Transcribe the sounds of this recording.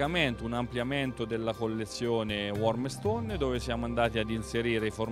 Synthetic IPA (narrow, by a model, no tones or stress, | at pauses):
ament̪unampljament̪od̪elːakolːet̪sːjoːnewɔrmest̪onːd̪oːvesjaːmoand̪aːt̪iad̪inseɾiːɾeifor